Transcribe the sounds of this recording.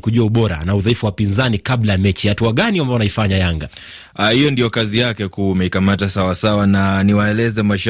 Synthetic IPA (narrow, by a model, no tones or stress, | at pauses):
kuʄuauɓɔɾa̰nauðaifuwapinzanikablajamɛt͡ʃihatuaɠaniambaɔnaifaɲajaŋɡa | hijɔndijɔkazijakɛkumɛikamatasawasawananiwaɛlɛzɛmaʃ